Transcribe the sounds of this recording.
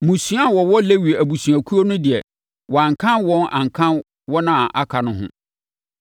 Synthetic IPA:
mũ˨sɥa˦wɔ˨wɔ˦le˦wi˨æ˨bu˨sɥæ˨kʰu˦o˦nʊ̃˦dɪ˨ɛ˨ | wɔ˨ã˨ŋ˨kʰã˦nwɔ̃˦nʔã̰˨ŋ̩˨kʰã˦n | wɔ˦nã˦˨ʔa˦kʰa˨nʊ̃˦ɦʊ̰̃˦

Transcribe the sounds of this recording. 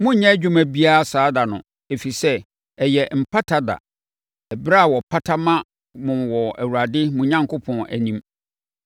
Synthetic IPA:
mʊ̃˦ɲɛ̃˦d͡ʑᶣʊ˦mæ̃˨bi˦a˦a˦˨saː˨˦da˨nʊ̰̃˨ | e˨fi˨sɛ˦ | ɛ˨jɛ˨m̩˨pʰa˦tʰa˦da̰˨ | ɛ˨bɪ˦ɾa˦a˨wɔ˨pʰa˦tʰa˦mã˦ | mʊ̃˨wɔ˨æ̰˨wu˨ɾa˨dɪ˦mʊ̃˨ɲã˦ŋkʰʊ˦pʰɔ̃˨næ̰˨nĩ˦m

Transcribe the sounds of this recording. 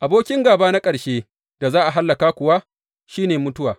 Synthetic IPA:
ʔa˨boː˦kʲɪ˦ŋɡaː˨baː˦na˦kʼɐ˨ɽʃeː˦ | d̥a˨zaː˦ʔa˨ɦa˦lːɐ˨kaː˦kʷʊ˨wa˦ | ʃiː˦neː˨mʊ˦tʊ˦waː˨

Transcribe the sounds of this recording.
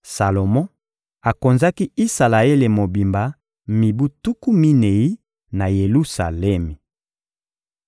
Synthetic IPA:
sa˨lo˨mɔ̃˦ | a˨ko˨nza˦ki˦i˦sa˨la˨e˦le˨mo˨bi˨mba˨˦ | mi˨bu˦tu˦ku˦mi˦ne˨i˦ | na˨je˨lu˦sa̰˨lɛ˦me˨

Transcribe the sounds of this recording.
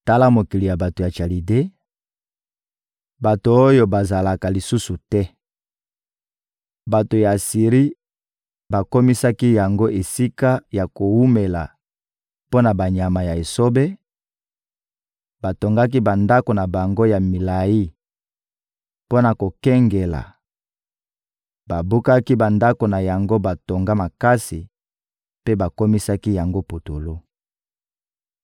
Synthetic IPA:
ta˦la˦mo˨ki˨li˨ja˨ba˨to˨ja˨t͡ʃa˨li˨de˦ | ba˨to˨o˦jo˦ba˨za˨la˨ka˨li˨su˦su˨tɛ˦ | ba˨to˨ja˨si˨ʁi˦ | ba˨ko˦mi˦sa˦ki˦ja˨ŋɡo˦ʔe˨si˦ka˦ja˨ko˨wu˦me˨la˨ | po˦na˨ba˨ɲa˨ma˨ja˨e˨so˦be˦ | ba˨to˨ŋɡa˦k̬i˦ba˨nda˦ko˨na˨ba˨ŋɡo˦ja˨mi˨la˨ji˦ | po˦na˨ko˨kɛ˦ŋɡe˨la̰˨ | ba˨bu˦ka˦ki˦ba˨nda˦ko˨na˨ja˨ŋɡo˦ba˨to˨ŋɡa˦ma˨ka˦si˨ | pe˦ba˨ko˦mi˦sa˦ki˦ja˨ŋɡo˦po˨to˨lo˦

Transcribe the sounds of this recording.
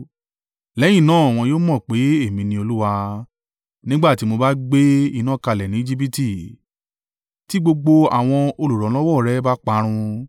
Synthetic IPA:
lɛ˨˦j̃ĩ˦˨nãː˦a˨w̃ɔ̃˧joː˦mɔ̃˦˨k͡pe˨˦e˦˨mĩ˧nĩ˧o˧lu˦wa˧ | nĩ˦ɡ͡ba˦˨ti˦mo˧ba˦ɡ͡be˦i˧nã˦˨ka˧˨lɛ˨nĩ˨˦d͡ʒi˦pi˦ti˦˨ | ti˦ɡ͡bo˧ɡ͡bo˧a̰˨w̃ɔ̃˧o˧lu˨ɾɔ˨˦lɔ˦wɔ˦˨ɾɛ˦ba˦k͡pa˦ɾ̃ũ˧

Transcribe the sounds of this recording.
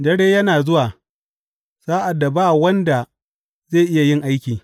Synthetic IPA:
dɐ˦ɽeː˦jɐ˦naː˨zʊ˦waː˨ | saː˦ʔa˨dːa˨baː˦˨wɐ˦nda˨ | zeː˦˨ʔɪ˦ja˨jɪ˦˨ŋʔa˦jkʲiː˨

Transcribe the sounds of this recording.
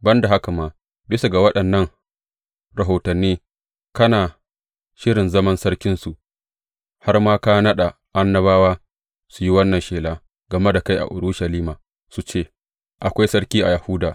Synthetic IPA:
bɐ˦nda˨ɦa˦ka˨maː˨ | bɪ˦su˨ɡa˨wɐ˦ɗɐ˨nːɐ˦ŋ | ɾɐ˨ɦoː˨tɐ˨nːiː˦ | kɐ˦naː˨ | ʃɪ˦ɾɪ˨nzɐ˦mɐ˦nsɐ˦ɾkʲɪ˦nsu˨ʔ | ha˦rmaː˦ka˦nɐ˦ɗa˨ | ʔa˦nːɐ˦βaː˦waː˦ | su˨ji˦wɐ˦nːɐ˨nʃeː˨laː˦ | ɡ̥ɐ˨me˦da˨ka˦jʔa̰˨ʔʊ˨ɾu˦ʃɐ˨liː˦maː˨ | su˦t͡ʃeː˦˨ | ʔa˨kʷa˦jsɐ˦ɽkʲiː˦ʔa̰˨ja˨huː˦daː˨

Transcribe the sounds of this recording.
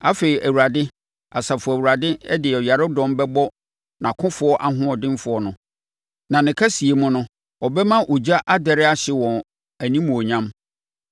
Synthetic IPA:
a˦fe˨ɾi˨ʔæ˨wu˨ɾa˨dɪ˦ | a˨sa˨fʊ˨æ˨wu˨ɾa˨dɪ˦ɛ˦dɪ˨ɛ˨ɔ˨ja˨ɾʊ˦dɔ̃˦mbɛ˦bɔ˦ | nã˨kʰʊ̃˦fʊ˦ɔ˦ʔa˨ɦʊ̃˦ɔ˨dɪ̃˦mfʊ˨˦ɔ˦nʊ̃˨ | nã˨nɪ̃˨kʰa˦si˨e˦mʊ̃˦nʊ̃˦ | ɔ˨bɛ˦mã˦ʔo˨d͡ʑa˦ʔa˦dɛ˨ɾɪ˦a˦ɕɪ˨wɔ̃˨n | æ˨nĩ˦mʊ̃˨o˨ɲã˦m

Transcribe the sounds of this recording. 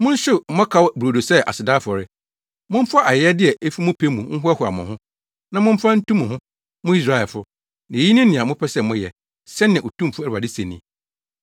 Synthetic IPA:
mʊ̃˦n̩˦ɕɪ˦m̩˨mɔ̃˦kʰa˨˦wbu˨ɾo˨do˨sɛ˦ʔa̰˨sɪ˨daː˦fɔ˨ɾɪ˦ | mʊ̃˦m̩˦fa˦ʔa˨jɛ˦dɪ˦ɛ˨ʔe˦fi˦mʊ̃˦pʰe˦mũ˨˦ŋ̩˦ɦʊ˦ɛ˦hʊ˨a̰˨mʊ̃˨ɦʊ̃˦ | nã˨mʊ̃˦m̩˦fa˦n̩˦tũ˦mʊ̃˨ɦʊ̃˦ | mʊ̃˦i˦s̬ɾa˦ɛ˨fʊ˦ | nã˨e˨ji˦nɪ̃˦nɪ̃˨a˨mʊ̃˦pʰɛ˦sɛ˦˨mʊ̃˦jɛ˨ | sɛ˦nːɪ̃˨o˨tʰũ˦m˨fʊ˦˨ɾa˨dɪ˦sẽ˨nḭ̃˨

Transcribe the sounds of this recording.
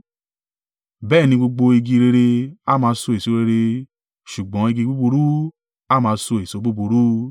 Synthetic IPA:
bɛː˦˨nĩ˧ɡ͡bo˧ɡ͡bo˧i˧ɡi˧ɾe˧ɾe˧a˦mãː˧˦so˧e˨so˨˦ɾe˧ɾe˧ | ʃu˨ɡ͡bɔ̃˨˦i˧ɡi˧ɡ͡bu˦bu˧ɾu˦ | a˦˨mãː˧˦so˧e˨so˨˦ɡ͡bu˦bu˧ɾu˦

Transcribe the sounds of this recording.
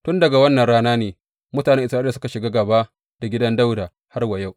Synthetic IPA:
tʊ˦ndɐ˨ɡa˨wɐ˦nːɐ˨nɽaː˦naː˦neː˨ | mʊ˦taː˨nɛ˦ŋʔɪ˨sɾaː˦a˨sʊ˦ka˨ʃɪ˨ɡaː˦ɡa˨baː˦ | d̥a˨ɡʲɪ˦dɐ˦nda˦wdaː˨ | ha˦rwa˨ja˦˨w

